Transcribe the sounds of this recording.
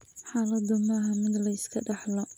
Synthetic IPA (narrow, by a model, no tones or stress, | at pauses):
ħaːlɐd̪ɐmɐːɦɐmɪd̪lɐɪskʰɐɖɑħlɐ